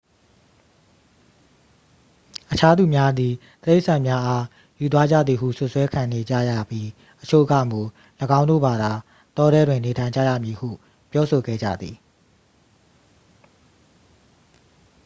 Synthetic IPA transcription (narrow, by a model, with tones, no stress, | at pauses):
ʔət͡ɕʰa˦d̪u˨mja˦d̪ði˨ | t̪əɾe˦˨ʔsʰã˨mja˦ʔa˦ | ju˨t̪̬wa˦d͡ʑa̰˦˨d̪ði˨ɦṵ˦˨sʊ˦ʔswɛ˦kʰã˨ne˨d͡ʑa̰˦˨ja̰˦˨pji˦ | ʔət͡ɕʰo̰˦˨ɡä̰˦˨mu˨ | ləɡã˦ʊ̃ndo̰˦˨ba˨d̪a˨ | t̪ɔ˦ɾɛ˦dwɪ̃˨ne˨tʰã˨ɪ̃ɲd͡ʑa̰˦˨jä̰˦˨mji˨hṵ˦˨ | pjɔ˦so˨ɡɛ̰˦˨d͡ʑa̰˦˨d̪ði˨